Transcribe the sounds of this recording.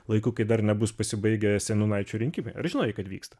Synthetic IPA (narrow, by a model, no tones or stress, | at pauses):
lˠɐɪkʊkɐɪd̪ɐrnʲɛbʊspɐsʲɪbɐɪɡʲɛsʲɛnunɐɪt͡ʃʲuːɾʲɪŋʲkʲimʲɛɪɐ̰ɾʒʲɪnoːjɪkɐt̪ʋʲḭːkst̪ɐ̥